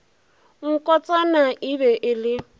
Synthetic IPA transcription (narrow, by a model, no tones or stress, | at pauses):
ŋ̩kʼɔt͡sʼanaʔiβɛʔɪlɪ